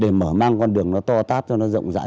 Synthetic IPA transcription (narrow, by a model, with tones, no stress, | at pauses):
ɗe˧˩məː˧˩maː˧ŋkɔ˧nɗɨ˨˩əŋnɔ˨˦t̪ɔ˧t̪aː˦˥p̚t͡ɕɔ˧nɔ˨˦zə̰˧˨wŋ͡mza̰ː˧˥˦